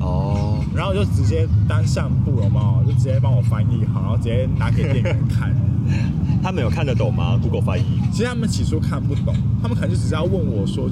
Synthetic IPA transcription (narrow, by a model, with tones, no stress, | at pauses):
ɔ˥˧˩na˨˦nxo˥˧ʊjo˥˩ʊʈ͡ʂɻ̩˧˥t͡ɕjɛ˦˥t̪a˦˥nɕja˥˧ŋpu˥˩lə˩ma˨˦jo˥˩ʊʈ͡ʂɻ̩˧˥t͡ɕjɛ˥˩pa˥ŋwɔ˨˩fa˧˦˥ni˨˩˦xa˨˩˦na˧˥˨ʈ͡ʂ̩ɻt͡ɕt̪a˧˦˥ke˨˩ɪɛ˥˩˥nkʰa̰˥˩n˩ | t̪ʰa˥mə˧˦˥jo˨˩kʰa˥˨nd̪ə˩t̪o˨˩ŋma̰˦k̪u˧˦˥ko˨˩ʊfa˧˥ni˧˦t͡ɕʰi˧˥t̪ʰa˥mə˨nt͡ɕʰi˨˩ʂʰu˥kʰa˥˧npu˥˩t̪o˨˩˦ŋt̪ʰa˥mə˨ka˨˩˨jo˥˩ʊʈ͡ʂɻ̩˧˩t͡ɕe˥jɑ˥˧wə˥˩nwɔ˨˩ʂwɔ˥